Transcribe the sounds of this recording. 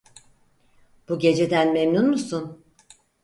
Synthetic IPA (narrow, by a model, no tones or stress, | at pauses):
b̥uɟe̞d͡ʒe̞d̪ænmemnunmusun